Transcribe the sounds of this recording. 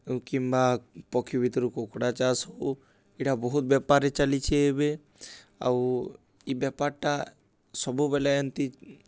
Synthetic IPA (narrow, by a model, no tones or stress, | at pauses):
kimbapɔkʰjubit̪ɾukokɽat͡ʃaso | iʈabɔɦut̪̚bjɛpaɾet͡ʃalit͡ʃʰeebe | a̰w | ibɛpaɾʈa | sɔbubɛlajənt̪i